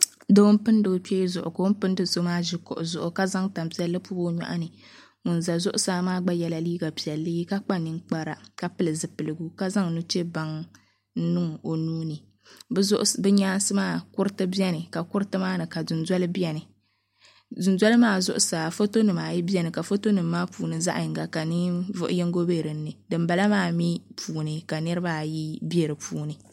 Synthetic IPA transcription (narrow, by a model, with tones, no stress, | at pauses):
do˦m˦pɨ˦ndɨ˨ɡɨ˦pe˦zʊ˨ʔʊ̰˨ko˨˦m˦pɨ˦ndɨ˦so˦maː˦ʒi˦kʊ̰˨ʔʊ˨zʊ˨ʔʊ˨ka˦za˦ŋta˨m˨pi˨˦ɛ˦lːɨ˦pu˦bo˦ɲa̰˦ʔa˦nɨ˨ | ŋʊ˨nza˨zʊ˦ʔʊ˦saː˦maː˦ɡ͡ba˦jɛ˨la˦liː˦ɡa˨pi˨ɛ˨lːɨ˦ka˦k͡pa˦nɨ˨ŋk͡pa˦ɾa˦ka˦pɨ˦lɨ˨zɨ˨pɨ˨lɨ˨ɡu˦ka˦za˦ŋnu˦t͡ʃe˦ba˦ŋ | n̩˦nɨ˦ŋ˨o˨nuː˦nɨ˨˦ | zʔbɛ˦ɲaː˦n˦sɨ˦maː˦˨kʊ˦ɾɨ˦tɨ˦bi˦ɛ˦nɨ˨ka˨kʊ˦ɾɨ˦tɨ˦maː˦nɨ˨ka˨dʊ˨nza˦lɨ˦bɛ˨nɨ˨ | zʊ˨nza˦lɨ˦maː˦˨zʊ̰˦ʔʊ˦sa˨fo˦to˦nɨ˨maː˨ji˦bi˦ɛ˦nɨ˨ka˨fo˦to˦nɨ˨mː˦aː˦puː˨nɨ˨za̰˦ʔɨ˨ŋɡa˨ka˨nɨ˦vʊ˦ʔʊ̰˦jɛ˦ŋ˦ɡo˦be˦ɾɨ˨n̩ː˦ɨ˨dɨ˨mba˨la˦maː˦˨mi˦pʰuː˨nɨ˨ka˨nɨ˦ɾɨ˦ba˦ji˦bɛ˨ɾɨ˨pʰuː˦˨nɨ˨